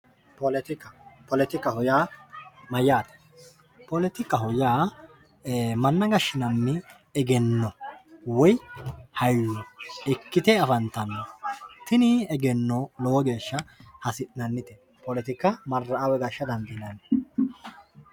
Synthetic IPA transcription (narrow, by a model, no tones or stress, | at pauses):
pɔlɛt̪ɪkɐpɔlɛt̪ɪkːɐhʊjaːmɐjaːt̪ɐ̥ | pɔlɛt̪ɪkːɐhʊjaː | mɐnːɐɡɐʃːɪnɐmːɪ | ɛɡɛnːɔwɔjhɐjwɔɛkːɪt̪ɛɐfɐnt̪ɐnːɔt̪ɪnɪɛɡɛnːɔlɔwɔɡe̞ːʃːɐhɐsɪtnɐnːɪt̪ɛ | pɔlɛt̪ɪkːɐmɐrːɐːwɛɡɐʃːɐd̪ɐnd̪ɪnɐnɛ